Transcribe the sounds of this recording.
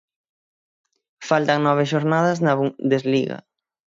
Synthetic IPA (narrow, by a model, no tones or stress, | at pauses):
falt̪ɐŋnɔβ̞ɪʃoɾnað̞ɐznɐβud̪ezliɣɐ̰